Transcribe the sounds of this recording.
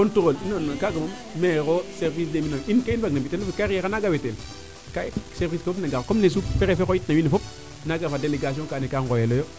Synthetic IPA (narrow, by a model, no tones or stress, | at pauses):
ontuɣolinonːakaɡamam | mekoseɾvis̬deminoinkainbaɡnabitenofikaɾijekanaɡawetel | kaseɾviskafopnaɡakomnes̬uppeɾefekojitnawinːefop̚ | naɡafadeleɡas̬iõŋkanekaŋɡojelojo